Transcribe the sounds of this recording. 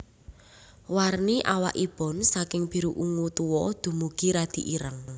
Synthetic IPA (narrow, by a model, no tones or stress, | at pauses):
warniʔawa̰ʔib̥ɔ̤nsakɪŋb̥i̤ɾuʔuŋut̪uwɔd̪̥ṳmuɡ̥i̤ɾad̪̥i̤ʔiɾəŋ